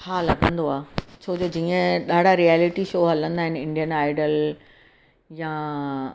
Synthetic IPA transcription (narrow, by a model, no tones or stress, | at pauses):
haːlɐɡʱə̃nd̪oaːt͡ɕʰoːd͡ʑoːd͡ʑiːə̃ɗaːɽ̤ʱaɾiaːlɪʈiʃoːɦɐlə̃nd̪aːɦɪnɪ̆ɪ̃ɳɖijənaːɪɖəl | ja